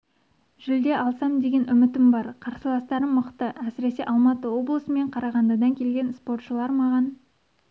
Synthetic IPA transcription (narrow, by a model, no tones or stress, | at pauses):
ʒ̥ʏld̪e̞ʔɑlˠsɑmd̪e̞ɡʲe̞nʔʏmɪt̪ɪmbɑɾqʰɑɾsəlˠɑst̪ɑɾəmːəqt̪əʔæsɪɾe̞se̞ʔɑlˠmɑt̪əwo̞blˠəsəme̞ɴqʰɑɾɑʁɑnd̪ɑd̪ɑŋkʲʰe̞lɡʲe̞nspo̞rt̪ʃəlˠɑɾmɑʁɑn